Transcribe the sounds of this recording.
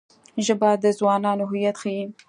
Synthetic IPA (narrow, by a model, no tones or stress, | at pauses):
ʒəbɑd̪əzwɑnɑnoɦʊjat̪xaji